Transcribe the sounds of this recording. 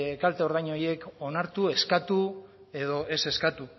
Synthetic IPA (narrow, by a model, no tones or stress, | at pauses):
kalt̪eo̞ɾðajɲo̞je̞ko̞naɾt̪ue̞skat̪u | e̞ðo̞ʔe̞se̞skat̪u